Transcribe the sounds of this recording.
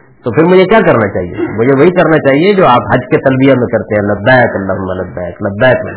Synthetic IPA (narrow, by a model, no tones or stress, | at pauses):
t̪opʰɪɾmʊd͡ʒʱekjakɐɾnat͡ʃaːɦiḛmʊd͡ʒʱeʋɐɦikɐɾnat͡ʃaːɦied͡ʒoːaːpɦɐd͡ʒket̪ɐlbijamẽkɐɾt̪eɦɛ̃lɐd̪ːaːjəkɐlːaːɦʊmːalɐd̪ːaːjəklɐd̪ːaːjkː